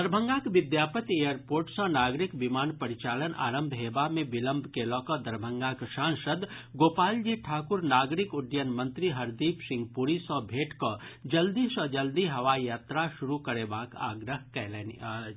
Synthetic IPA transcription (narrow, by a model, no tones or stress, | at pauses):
d̪əɾbʱə̃ŋɡakʋɪd̪jaːpət̪eːjəɾpoːɾʈsɔ̃naːɡɾɪkbɪmaːnpɐɾɪt͡ʃaːlənʔa̰ːɾə̃mbʱɦeːbamẽbɪlə̃mbʱkelɔːkɔd̪ɐɾbʱə̃ŋɡakʃãːnʃəd̪ɡoːpaːld͡ʒiːʈʰaːkʊɾnaːɡɾɪkʊɖjənmɐ̃nt̪ɾiɦɐɾd̪iːpsɪ̃ŋɡ̚puɾisɔbʱeːʈkod͡ʒɐld̪isɔd͡ʒɐld̪iɦɐʋaːjaːt̪ɾaʃʊɾukɐɾebaːka̰ːɡɾəɦkɛleːn